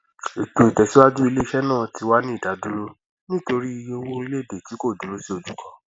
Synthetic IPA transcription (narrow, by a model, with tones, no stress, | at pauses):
e˨to˨i˨tɛ˨si˨˦wa˦d͡ʒu˦i˧le˦i˧ʃɛ˦nãː˦˨ti˨˧wa˦nĩ˦i˦˨da˨˦du˦ɾo˦ | nĩ˦to˧ɾi˦i˧je˧o˧wo˦ɾi˦le˦˨be˨ti˨˦ko˦˨du˨lo˨˦si˦o˨d͡ʒu˨kʰɔ˨˦